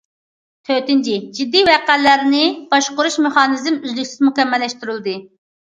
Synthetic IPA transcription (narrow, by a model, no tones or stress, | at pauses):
t̪ʰøt̪ɪnt͡ʃʰid͡ʒid̪ːijwɛqælːæɾnɪb̥ɑʃqʊɾuʃmeχɑːnɨzmyzlykʲsɪzmukʲɛmːɛlːɛʃt̪yɾylˠd̪ɨ